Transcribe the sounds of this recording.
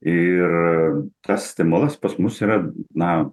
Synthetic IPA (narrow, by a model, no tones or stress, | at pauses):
ɪrt̪ɐssʲt̪ʲɪmʊlˠɐspɐsmʊsiːɾɐnɐ